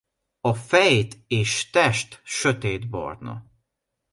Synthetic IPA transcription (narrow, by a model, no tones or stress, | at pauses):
ɒfɛjt̪eːʃt̪ɛʃt̪ʃøt̪eːd̪bɒ̰rnɒ̰